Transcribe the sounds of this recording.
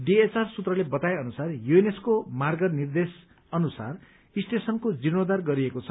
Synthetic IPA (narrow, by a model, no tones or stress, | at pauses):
ɖiet͡sarsut̪rʌlebʌt̪ajʌnusarjueneskomarɡʌnird̪es | ʌnusa̰r | isʈ̪esʌnkod͡zinod̪arɡʌɾiekot͡sʰʌ